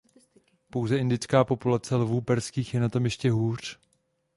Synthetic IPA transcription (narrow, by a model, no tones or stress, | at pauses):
po̞wzɛʔɪndɪt͡skaːpo̞pulat͡sɛlvuːpɛɾskiːxjɛnat̪o̞mjɛʃcɛɦuːr̝̥